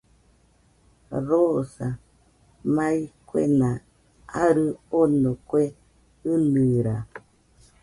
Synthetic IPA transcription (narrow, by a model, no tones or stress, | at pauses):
ɾosa | maikʷwḛna | aɾɨonokʷwe | ɨnɨɾa